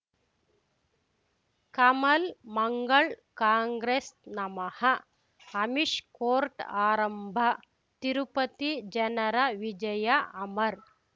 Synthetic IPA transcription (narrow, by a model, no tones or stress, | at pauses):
kɐmɐlmɐŋɡɐɭkaːŋɡɾesnɐmɐhɐ | ɐmiʃkoːɾʈaːɾɐmbʱɐ | t̪iɾupɐt̪id͡ʒɐnɐɾɐʋid͡ʒɐjɐɐmɐɾ